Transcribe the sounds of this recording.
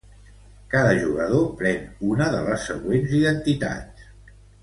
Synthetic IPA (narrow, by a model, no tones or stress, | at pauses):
kaðəʒuɣəðopɾɛŋunəðələsːəɣwenziðənt̪it̪a̰t̪s